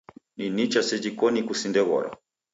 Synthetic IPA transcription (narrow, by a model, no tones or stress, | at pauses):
ninit͡ʃasɛd͡ʒikɔnikusindɛɣɔ̰ɾa̰